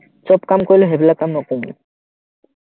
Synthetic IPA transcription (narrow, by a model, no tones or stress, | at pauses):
t͡ɕɔpkamkojloɦeblakamnɔkumnḭ